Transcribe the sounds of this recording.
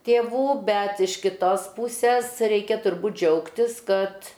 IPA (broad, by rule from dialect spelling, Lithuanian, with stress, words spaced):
tʲeːˈʋuː ˈbʲɛt ɪʃ kʲɪˈtoːs ˈpuːsʲɛs ˈrʲɛɪkʲɛ tʊrˈbuːt ˈd͡ʒʲɛʊktʲɪs ˈkɐt